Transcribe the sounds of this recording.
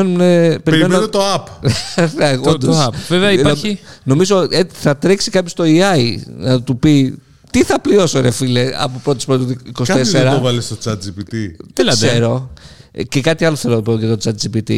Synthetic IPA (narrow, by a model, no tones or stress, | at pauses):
enumnepeɾiɾmenmenot̪oɐpðeɣod̪osɐpvevɛɐinno̞mizoeiθɐt̪ɾeksikɐpçost̪o̞iɐinɐt̪upi | t̪iθɐplio̞soɾefileɐ̰popɾo̞t̪espɾot̪oikosikɐt̪eseɾɐovɐlest̪ot͡sɐt̪̚d͡ʒipit̪it̪ilseɾo̞ | cekɐt̪iɐlo̞θeloopocet̪ot͡sɐt̪d͡zipit̪ḭ